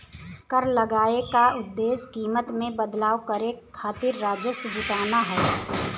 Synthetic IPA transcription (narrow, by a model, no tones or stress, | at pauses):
kəɾləɡaːekaʊd̪ːeːskiːmət̪mẽbəd̪laːwkəɾekʰaːt̪ɪɾːaːd͡ʒjəsʊd͡ʒɪt̪aːnaɦɛː